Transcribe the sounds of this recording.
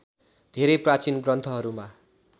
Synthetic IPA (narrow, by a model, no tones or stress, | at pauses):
d̪ʱeɾʌjprat͡sinɡrʌnt̪ʰʌɦʌɾuma